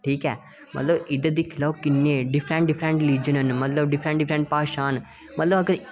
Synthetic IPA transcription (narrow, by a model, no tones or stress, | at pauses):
ʈʰiːkɛː | mɐ̰t̪ləbɪd̪əd̪ikʰɪlaːkɪnːeɖɪpʰɾẽɳʈɖɪpʰɾẽɳʈliːd͡ʒənənmɐt̪ləbɖɪpʰɾẽɳʈɖɪpʰɾẽɳʈ̚paːʃaːn | mɐt̪ləbɐɡəɾ